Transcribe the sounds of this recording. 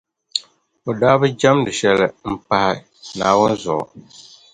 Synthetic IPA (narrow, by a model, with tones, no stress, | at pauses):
o˨daː˦bɨ˦d͡ʒa˦mdɨ˨ʃɛ˦lɨ˨m̩˦pa˦hɪ˦ | naː˨wʊ˦nzʊ˨ɔ̰˨